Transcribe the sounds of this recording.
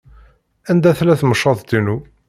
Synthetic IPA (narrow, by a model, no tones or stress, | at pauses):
ænd̪æθlæθməʃːɑðˤd̪inu